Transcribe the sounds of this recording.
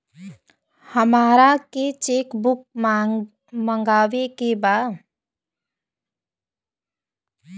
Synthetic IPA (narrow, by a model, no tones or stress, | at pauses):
həmaːɾaket͡ʃeːkbʊk̚ | mə̃ŋɡaːʋekebaː